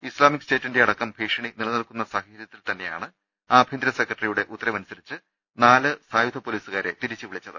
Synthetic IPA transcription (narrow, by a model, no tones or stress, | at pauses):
islaːmikɨ̥ste̞ːtːindeɐɽɐkːɐmbʱiːʂɐɳinilɐnɐlkun̪ːɐsaːɦɐɾjɐt̪ːilt̪ɐnːe̞ja̰ːɳɨ | aːbʱind̪ɾɐsekːrɐʈɐrijuɽe̞ʔut̪ːɐɾɐmɐnusɐɾit͡ɕːɨ | naːlɨsaːjud̪ʱɐpːoːliːsuɣaːɾe̞t̪iɾit͡ɕːɨʋiɭit͡ɕːɐðɨ̰